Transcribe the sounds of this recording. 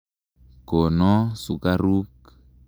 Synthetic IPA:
ko˨nɔ˦su˨ka˦ɾu˦k

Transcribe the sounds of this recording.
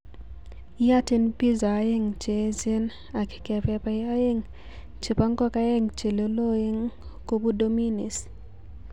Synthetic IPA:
ja˦ti˦npi˦za˨˦e˦ŋt͡ʃe˨˦se˦n | a˨kɪ̥˨kɛ˨pɛ˨pa˦a˦e˦ŋ | t͡ʃe˨pa˦ŋkɔ˦ka˦e˦ŋt͡ʃe˨lo˦lo˦e˦ŋko˦bu˦do˦mi˦ni˨s

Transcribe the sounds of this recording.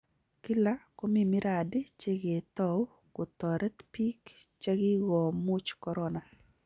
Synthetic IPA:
ki˦la˦ko˦mi˨mi˦ɾa˨dɪ˦t͡ʃe˦ɡe˨t̪ɔ˦ | kʊ˨t̪ɔ˨ɾɛ˦t̪pi˦kt͡ʃe˦ɡɪ˦ɡɔ˨mu˦t͡ʃkɔ˦ɾɔ˦na˨

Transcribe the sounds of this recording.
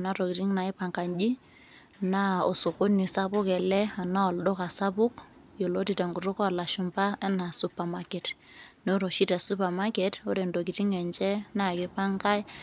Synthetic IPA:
na˦tɔ˨ki˨ti˦ŋna˨ɪ˦pa˨ŋka˨ɲd͡ʒi˦ | na˦ɔ˨sʊ˨kʊ˦ni˨sa˦bʊ˦kɛ˨lɛ˦a˨na˦ɔ˨lɗɔ˦ka˨sa˦bʊ˦k | jɔ˨lo˦ti˨ta˨ŋɡu˨to˦kɔ˦a˨la˨ʃu˨mpa˦a˦na˨su˦pa˨ma˦kɛ˨t | no˦ɾo˨ʃi˦ta˨su˦pa˨ma˦kɛ˦tɔ˦ɾe˨ndo˨k̬i˨ti˦ŋɛ˨nt͡ʃɛ˦na˦˨kɪ˦pa˦ŋka˦j

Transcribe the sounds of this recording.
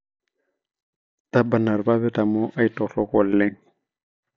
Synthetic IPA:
ta˦ba˨na˨ɾba˦βɛ˦ta˨mo˦ʔa˦i˦tɔ˨rɔ˦kɔ˨l̩ːe˦ŋ̩

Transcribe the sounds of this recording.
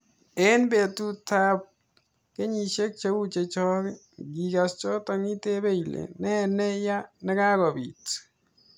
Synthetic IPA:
e˦nbe˨tu˦ta˦p̚ | ke˦ɲi˨ʃe˦k̚t͡ʃe˦u˦t͡ʃe˨t͡ʃɔ˦kɪ˦ | ɡi˨ɡa˨st͡ʃɔ˦tɔ˨ŋi˦te˦be˦jlḛ˨nɛ˦nɛ˦ja˦nɛ˦ka˦kɔ˨bḭt

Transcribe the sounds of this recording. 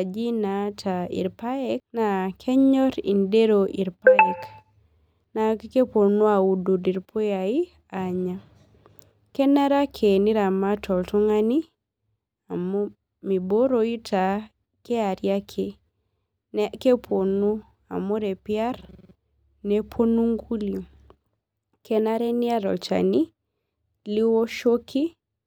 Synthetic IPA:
d͡ʒi˦natʰaḭ˨ɾpa˦ɛk̚nakʰɛ˦ɲɔ˦ɾḭ˨nde˦ɾoʔi˨ɾpaɛk | na˨ke˦po˨nu˦a˨u˦du˨di˨ɾpʰo˦jai˦ | aɲa˨ | kɛ˦na˦ɾa˦kʰeni˦ɾa˨ma˦tʰɔ˨ltu˦ŋa˦ni | a˨m | mi˨bo˦ɾo˨i˦tʰa˨ | kɛ˦a˨ɾja˦kʰe˨ | nke˦pʰo˨nu˦ | a̰˨mo˦ɾɛ˨pi˦a˦r | nɛ˦pʰo˦nu˦ŋɡu˦lio˨ | kʰɛ˦na˦ɾɛ˦ni˦a˦ɾɔ̰˨lt͡ʃa̰˨ni˦ | li˦wɔ˦ʃo˦kʰi˦

